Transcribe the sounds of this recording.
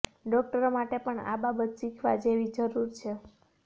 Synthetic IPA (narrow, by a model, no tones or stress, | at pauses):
ɖɔk̚ʈəɾomaʈepəɳa̰babət̪ʃikʰʋad͡ʒeʋid͡ʒəɾuɾt͡ʃʰe